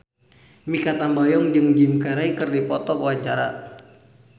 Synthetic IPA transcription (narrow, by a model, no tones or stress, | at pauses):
mikat̪ambajɔŋd͡ʒɨŋd͡ʒimkaɾaikɨrdipɔt̪ɔkəwaɲt͡ʃaɾa